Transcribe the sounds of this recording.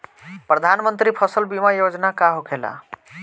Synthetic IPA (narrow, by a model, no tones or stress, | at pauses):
pɾəd̪ʱanmənt̪ɾipʰəsəlbimajod͡ʒnakaɦokʰela̰